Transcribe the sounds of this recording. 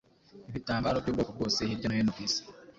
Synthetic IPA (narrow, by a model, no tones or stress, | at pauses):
iβitaːmbaːɾobɟuːɡokoɡo̞ːsehiɾɟonojenokisi̥